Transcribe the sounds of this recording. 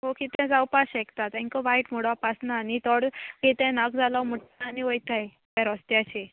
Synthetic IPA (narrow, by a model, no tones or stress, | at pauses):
ɦokit̪ɛ̃d͡zawpaɕekt̪at̪ɛ̃ŋkɔʋajʈmoɽapasnaːnit̪ɔɽkit̪ɛ̃naɡd͡zʱalawm̤əʈaaniojt̪aj | t̪ɛɾɔst̪jat͡ɕe